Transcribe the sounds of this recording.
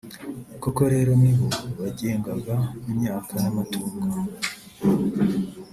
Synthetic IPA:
koko̞ɾe̞ːɾo̞miβuβaɟeːŋɡaɡamumɲaːkʰanamatuːkɡa

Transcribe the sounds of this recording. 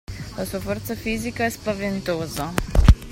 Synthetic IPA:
asovəɾt̪safizikaɛspavɛnt̪oza

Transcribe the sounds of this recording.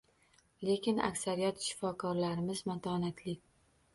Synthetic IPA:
lekʲɪna̰kʲsaɾijat̪ʃɪ̥fɒkʰɒɾlaɾɪmɪzmat̪ʰɒnat̪ʰlɪkʲ

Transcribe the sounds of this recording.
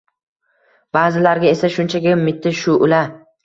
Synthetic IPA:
baːzɪlaɾɡʲae̞saʃʊnt͡ʃʰaɡʲamɪt̪ʰːɪʃʊʔʊla

